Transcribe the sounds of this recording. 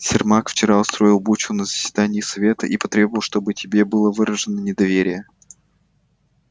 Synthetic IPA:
sʲɪrmakft͡ɕɪɾaʊst̪ɾo̞ɪlˠbut͡ɕʊnəzə̥sʲv̥ʲɪd̪anʲɪːsɐvʲe̞t̪ə̰ʔipɐt̪ɾʲe̞bəvəlˠʂt̪o̞bɨtʲɪbʲebɨlˠəvɨɾəʐɨnənʲɪd̪ɐvʲeɾʲɪjə

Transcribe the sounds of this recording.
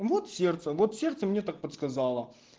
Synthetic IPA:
vo̞t̪sʲert̪səvo̞t̪sʲe̞rt̪səmnʲe̞t̪ak̚pət̪skɐzɑlˠə

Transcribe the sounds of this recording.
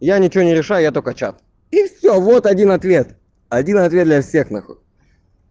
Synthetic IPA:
janʲɪt͡ɕɪvonʲɪɾʲɪʂajʊjat̪okət͡ɕa̰t̪̚ | ifsʲovo̞t̪ɐdʲinɐt̪vʲe̞t̪ | ɐdʲinɐt̪vʲet̪d̪lʲɐfsʲe̞xnɐxot̪ʲ

